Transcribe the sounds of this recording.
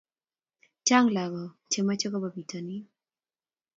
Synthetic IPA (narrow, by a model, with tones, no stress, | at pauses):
t͡ʃa˦ŋla˨ɡɔ˨ | t͡ʃe˨ma˦t͡ʃɔ˦kɔ˦ba˨bi˨tʰɔ˨ni˦